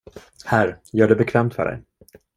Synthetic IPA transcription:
hæɾjœːɖɛbɛkʰvɛːmt̪fœ̰ɖɛ̰j

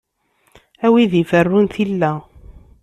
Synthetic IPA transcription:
æwiðifərːunθilːæ

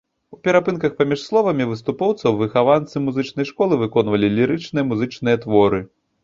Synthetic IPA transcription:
upʲɛɾapɨnkɐxpamʲiʂslˠɔvɐmʲivɨst̪upɔwt̪sɐwvɨxavant̪sɨmuzɨt͡ʂnɐjʂkɔlˠɨvɨkɔnvɐlʲilʲiɾɨt͡ʂnɨjɐmuzɨt͡ʂnɨjɐt̪vɔɾɨ

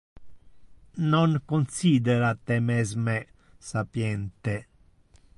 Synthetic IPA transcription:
noŋkonsiːd̪eɾat̪emezme | sapjɛnt̪e

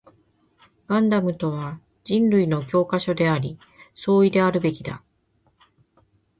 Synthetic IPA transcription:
ɡ̥ãnd̪amɯ̟t̪o̞βa | d͡ʑĩnɾɯ̟ino̞kʲo̞ːkaɕo̞d̪e̞aɾʲi | so̞ːid̪e̞aɾɯ̟be̞kʲid̪a̰

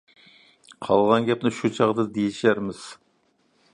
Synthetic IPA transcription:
qʰɑlˠʁɑnɡʲɛp̚nɪʃut͡ʃʰɑʁd̪ɨd̪ejiʃæɾmɪz̥

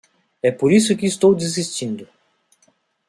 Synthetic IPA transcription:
ɛpoɾisʊkɪːst̪owd̪izist͡ʃĩnd̪ʊ

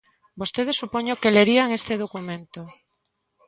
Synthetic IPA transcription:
bost̪eð̞esːupoɲokeleɾiaŋest̪eð̞okumẽnt̪o

